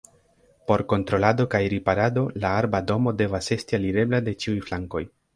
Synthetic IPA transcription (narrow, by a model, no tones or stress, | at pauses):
po̞ɾko̞ntɾo̞lado̞kajɾipaɾado̞laaɾbado̞mo̞de̞vase̞stialiɾe̞blade̞t͡ʃiujflaŋko̞j